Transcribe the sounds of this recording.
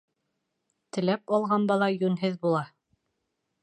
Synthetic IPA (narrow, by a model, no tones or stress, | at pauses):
t̪ɘ̆læpɑlˠʁɑnbɑlˠɑjʉnɦɘðbulˠɑ